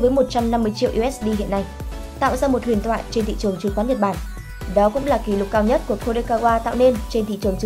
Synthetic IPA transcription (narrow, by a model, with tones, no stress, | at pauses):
vəː˨˦jmo˨˩t̚t͡ɕa˧mna˧mːɨ˧əjt͡ɕḭ˧˨əʔu˧ʔɛ˦˥sɗi˧ɦḭ˧˨ənːa˧j | t̪a̰ː˧˨wzaː˧mo˨˩t̚hwi˨˩ənt̪ʰwa̰ː˧˨jt͡ɕe˧nt̪ʰḭ˧˨t͡ɕɨ˨˩əŋt͡ɕɨ˨˦kwaː˨˦nɲə˨˩t̚ɓaː˧˩n | ɗɔ˨˦kʊ̰˧˥ŋ͡mlaː˨˩ki˨˦lʊ˨˩k͡p̚kːaː˧wɲə˦˥t̚ku˨˩əxo˧ɗe˧kaː˧ɣwaː˧t̪a̰ː˧˨wne˧nt͡ɕe˧nt̪ʰḭ˧˨t͡ɕɨ˨˩əŋt͡ɕ